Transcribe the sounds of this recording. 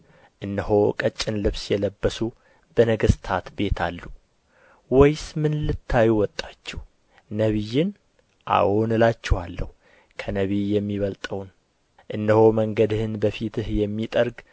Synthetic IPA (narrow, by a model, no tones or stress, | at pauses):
ʔɨnːəho̞kʼət͡ʃʼːɪnlɨβsjɛləbːəsu | b̥ənəɡəst̪ʰat̪be̞t̪ʰa̰lːu | wɔjsmɨnlɨt̪ʰːajuwɔt̪ʼːat͡ʃːɛh | nəβijːɪn | ʔa̰wonɨlat͡ʃːɛhalːəhu | kʰənəβijɛmːiβəlt̪ʼəwn | ʔɨnd̪əho̞məŋɡəd̪ɨhɨnbəfit̪ʰɨhjɛmːit̪ʼəɾɡ